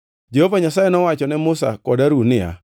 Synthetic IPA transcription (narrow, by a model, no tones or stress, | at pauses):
d͡ʒehovaɲasajɛnɔwat͡ʃɔnɛmʊsa̰kɔdaɾunɪa̰